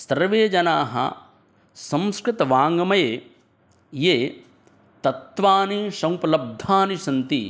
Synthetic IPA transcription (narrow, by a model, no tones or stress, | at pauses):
sɐɾʋeːd͡ʒɐnaːɦɐ̰ | sɐ̃mskɾɪt̪ɐʋaːŋɡɐmɐjeː | jeː | t̪ɐt̪ʋaːniʃɐwpɐlɐb̚d̪ʱaːniʃɐnt̪ḭ